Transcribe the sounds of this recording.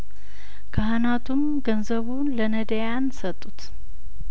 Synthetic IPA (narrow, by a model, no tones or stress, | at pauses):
kʰaɦanat̪ʰum | ɡənzəβunlənəd̪əjansət̪ʼːut̪